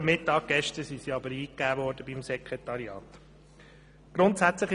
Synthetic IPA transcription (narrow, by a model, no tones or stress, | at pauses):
mɪtːɑːɡ̚ɡ̥ɛʃtəsisiɑbəɾiːkːæːvɔɾdəbimsɛkʁet̪ɑɾiɑ̰ːt̪ | ɡ̥ɾʊntsæt͡sləχ